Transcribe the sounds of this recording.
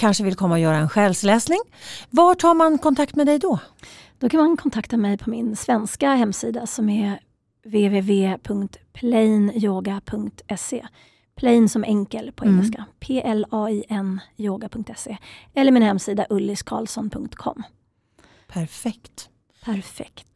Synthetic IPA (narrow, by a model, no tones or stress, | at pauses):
kʰanʂəvɪlkʰɔmːaɔjœːɾaɛnɧɛːlslɛːsnɪŋvaʈʰɑːɾmankʰɔnt̪ʰakt̪mɛd̪ɛjd̪ɔd̪̥ɔkʰanmankʰɔnt̪ʰakt̪amɛjpʰɔmɪnsvɛnskahɛmːsiːd̪asɔmɛ | veːveːveːpʰɵŋkt̪pʰlɛnjoːɡapʰɵŋkt̪ɛseː | pʰlɛiːnsɔmʔɛŋkəlpʰɔɛŋːɛlskapʰeːʔɛlɑːiʔɛnjoːɡapʰɵŋkt̪ɛseːɛlːəɾmɪnhɛmːsiːd̪aʔɵlːɪskʰɑ̰ːlsɔnpʰɵŋkt̪kʰɔ̰mː | pʰæɾfɛkt̪ | pʰæɾfɛ̰kt̪